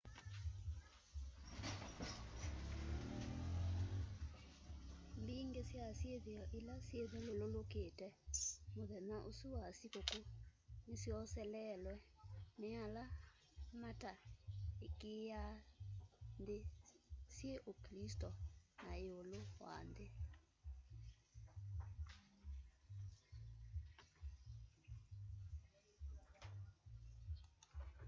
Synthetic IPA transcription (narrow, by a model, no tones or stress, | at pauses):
mbiːŋɡesjasjeðeɔʔilasjeðelololoketɛmoðɛnaʔosuwasikokonesjɔsɛlɛlwɛneala | mataekeja | ndesjeʔoklistɔnaeolowa̰nde